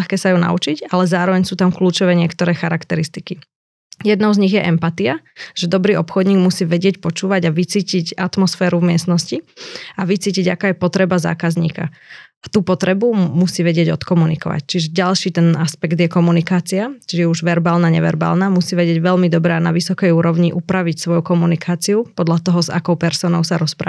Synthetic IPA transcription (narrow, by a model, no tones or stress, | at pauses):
axkɛːsajuna̰ut͡ʃicalɛzaːɾɔʋɛɲsuːt̪amkluːt͡ʃɔʋɛːɲɪɛkt̪ɔɾɛːxaɾakt̪ɛɾist̪iki | jɛd̪nɔʊzɲiɣjɛʔɛmpat̪iaʒɛd̪ɔbɾiːɔpxɔd̪ɲiːɡmusiːʋɛɟɪɛcpɔt͡ʃuːʋaɟaʋit͡siːcicat̪mɔsfɛːɾuvmɪɛsnɔsciaʋit͡siːciɟakaːjɛpɔt̪ɾɛbaza̰ːkazɲḭːka̰ | at̪uːpɔt̪ɾɛbumusiːʋɛɟɪɛɟɔt̪kɔmunikɔ̰ʋa̰c̚t͡ʃiʒɛɟalʃiːt̪ɛnaspɛɡd̪jɛkɔmunikaːt͡siat͡ʃiʒɛjɛuʒʋɛɾbaːlnaɲɛʋɛ̰ɾba̰ːlnamusiːʋɛɟɪɛɟʋɛʎmid̪ɔbɾɛanaʋisɔkɛjuːɾɔʊɲiʔupɾaʋicsʋɔjukɔmunikʰaːt͡siupɔd̪ʎat̪ɔɦɔza̰kɔʊpɛɾsɔːnɔʊsaɾɔspɾa̰ː